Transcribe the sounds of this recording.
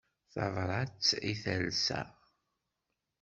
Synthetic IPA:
θɑ̰vˤɾˤɑt͡sːiθælsæ̰

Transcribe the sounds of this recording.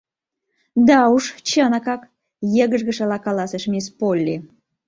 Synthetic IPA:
d̪ɑuʃt͡ɕənɑkɑk | jə̆ɣə̆ʒɣə̆ʃɑlɑkɑlɑseʃmʲespolʲːe

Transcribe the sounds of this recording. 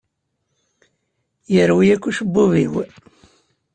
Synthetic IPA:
jəɾwijækʷːuʃbːuvḭw

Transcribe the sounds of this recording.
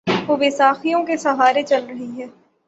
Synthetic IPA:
oːbeːsaːxijõkesɐɦaːɾet͡ʃɐlɾɐɦiɦɛː

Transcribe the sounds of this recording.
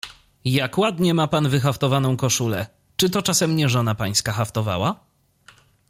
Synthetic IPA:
jakwad̪ɲɛmapanvɘxaft̪ɔvanɔ̃w̃kɔʂulɛ̰ | t͡ʂɘt̪ɔt͡ʂasɛmɲɛʐɔnapaɲ̃skaxaft̪ɔva̰wa

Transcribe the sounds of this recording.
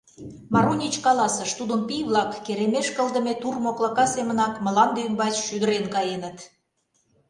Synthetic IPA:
mɑɾunʲit͡ɕkɑlɑsəʃt̪ud̪əmpijβlɑkːeɾemeʃkəlˠd̪ə̆met̪urmoklɑkɑsemə̆nɑkməlɑnd̪yəmbɑt͡ɕʃyd̪ə̆ɾenkɑjenə̆t̪

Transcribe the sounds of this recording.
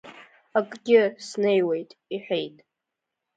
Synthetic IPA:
akʼɡʲɪsnejwe̞jtʼiħʷᶣe̞jtʼ

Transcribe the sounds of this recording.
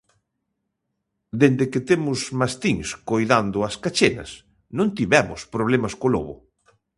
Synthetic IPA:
d̪end̪eket̪emʊsmast̪iŋskojðand̪ʊaskat͡ʃenɐ̰s | nõnt̪iβɛmʊspɾoβ̞lemɐskolo̰βʊ̰

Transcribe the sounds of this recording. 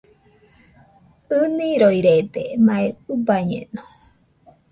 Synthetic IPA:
ɨnĩɾojɾed̪emaeubaɲḛno

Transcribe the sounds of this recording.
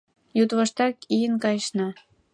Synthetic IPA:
jut̪βəʃt̪ɑkijənkɑjʃnɑ

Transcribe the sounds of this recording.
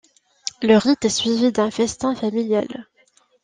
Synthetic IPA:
ləʁit̪ɛsɥivid̪ɛ̃fɛst̪ɛ̃familja̰l

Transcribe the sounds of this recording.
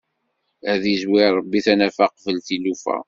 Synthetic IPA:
æðizwɪɾˤəbːiθænæfæqvəlθilufæ̰

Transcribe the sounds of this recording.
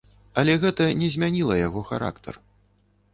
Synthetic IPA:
ɐlʲɛɣɛt̪ɐnʲɛzʲmʲanʲilˠɐjaɣɔxa̰ɾa̰kt̪ʰɐ̰r

